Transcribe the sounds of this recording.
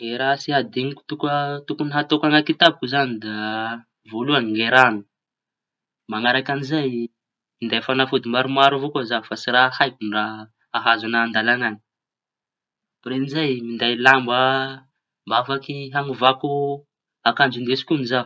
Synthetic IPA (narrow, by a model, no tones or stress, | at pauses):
eɾasiɦad̪eŋiku̥t̪ukət̪ukuniɦat̪okaŋak̪it̪ab̚kuzanid̪a | voluaniŋeɾanu̥ | maŋaɾakanizaj | mind̪ajfanafud̪imbaɾumaɾuvokozafasiɾahajkunra | aɦazanaːnd̪alaŋani̥ | pɾenizajmind̪ajlambə | mbavakiɦaŋuvaku | akand͡ʒund̪esi̥kʲuniza